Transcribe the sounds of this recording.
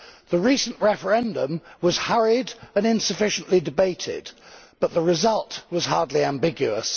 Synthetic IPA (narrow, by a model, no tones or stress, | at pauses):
ðəɹiˑsə̃n̩ʔɹɛfə˞ɛ̃ndə̃mwʌz̥hʌɹɪdə̃nɪ̃nsɨfɪʃə̃n̩ʔlidɨbeɪtʰɪ̰db̥ʌt̪ʔ̪̚ðəɹɨzʌlˠtwʌz̥hɑɹdˡliæ̃mbɪɡjʉəs